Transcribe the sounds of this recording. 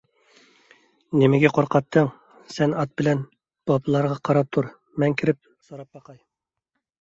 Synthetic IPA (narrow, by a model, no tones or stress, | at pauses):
nɪmɪɡʲɛqʰoɾqʰɑt̪ʰːəŋ | sɛnɑt̪̚bɪlɛn | b̥ɑblˠɑɾʁɑqʰɑɾɑp̚t̪ʰuɾ | mɛŋkʲʰiɾɪp̚ | soɾɑp̚bɑqɑj